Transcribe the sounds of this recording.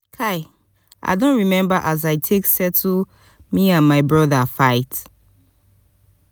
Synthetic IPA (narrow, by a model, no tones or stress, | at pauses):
kʰaɪ | ʔa̰ɪdõntɹimɛ̃mbəʔazaɪtʰeksɛtʰu | miãnmaɪbɹɔðəfaɪt